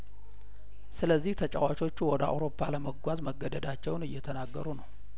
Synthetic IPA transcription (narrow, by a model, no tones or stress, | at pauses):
sɨləzːiht̪ʰət͡ʃʼawat͡ʃʼo̞t͡ʃːuwɔd̪əa̰wɾo̞pʰːaləməɡʷazməɡːəd̪əd̪at͡ʃːɛwnɨjːɛt̪ʰənaɡːəɾunəw